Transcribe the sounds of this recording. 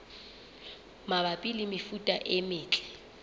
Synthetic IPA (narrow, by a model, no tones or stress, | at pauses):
mabapʼilɪmɪfutʼaʔɪmɪːt͡ɬʼɛ̥